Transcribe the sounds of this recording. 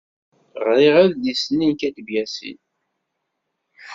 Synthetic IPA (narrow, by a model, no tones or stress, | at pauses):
ʁɾiʁæððisninkæd̪bjæsḭn